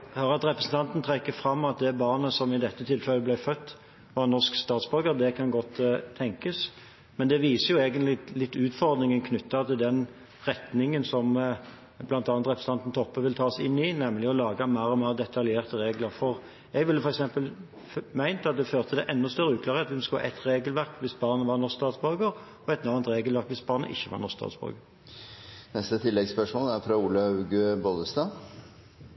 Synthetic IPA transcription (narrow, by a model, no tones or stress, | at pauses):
høːɾəɑt̪ɾɛpɾəsn̩t̪ʰɑnt̪n̩t̪ʰɾɛkːəfʁɑmːɑt̪̚d̪ɛbɑːnəsɔmɪd̪ɛt̪ːət̪ʰɪlfɛlːəblæɪfœt̪ː | ʋɑʁnɔʂkst̪ɑːt̪sbœɾɡəd̪ɛkʰɑnɡɔt̪ʰːɛŋkəs | mɛnd̪ɛʋiːsəjʊeːɡənt̪lɪlɪt̪ːʉːt̪fɔʁd̪nɪŋənkʰnʉt̪ːɑt̪ʰɪld̪ɛn | ɾɛt̪nɪŋənsɔm | blɑnt̪ɑːnt̪ɾʁɛpɾsn̩ɑnt̪n̩t̪ʰɔpːəʋɪlt̪ʰɑːsɪnːɪnɛmlɪɔlɑːɡɑmæɪʁɔmæɪʁd̪ɛt̪ʰɑljeːʁt̪əʁeːɡləʁfɔʁ | jɛɡʋɪlːəfɔɾɛksɛmpəl | mæɪnt̪ɑt̪̚d̪ɛføːʁt̪ʰəd̪ɛʔɛnːɔst̪uːɾəʉːk̪ʰlɑʁəɑt̪ʋɪmsk̪hɑ̰ʔɛt̪ʁeːɡəlʋæʁkʋɪsbɑːʁnəʋɑʁnɔst̪ɑːt̪sbɔɾɡəʁ | ɔɛt̪nɑːnt̪ʁeːɡəlʋæʁkʋɪsbɑʁnə̰ʔɪ̰çːəʋɑ̰ʁnɔst̪ɑ̰ːt̪sb̥ɔ̰ɾɡə | nɛst̪ət̪ʰɪlːɛɡspœʂmoːlæɾfɾɑuːləʉːɡʉboːd̪əst̪ɑ